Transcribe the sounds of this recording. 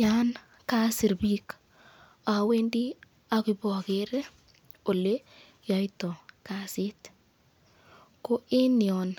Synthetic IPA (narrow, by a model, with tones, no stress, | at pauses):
a˦n | ka˦sɪ˨ɾbi˦k | a˨we˦ndi˦ | a˨ki˨bɔ˨ke˦ɾe˦ | o˨le˦ | ja˨jtɔ˨ka˦si˦t̪ | ko˦e˦njɔ˨n